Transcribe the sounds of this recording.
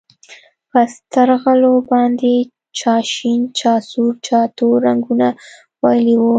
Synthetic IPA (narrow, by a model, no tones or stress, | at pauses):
pəst̪aɾɣalobɑnd̪e | t͡ʃɑʃint͡ʃɑsuɾt͡ʃɑt̪oɾaŋɡuna | wajliwu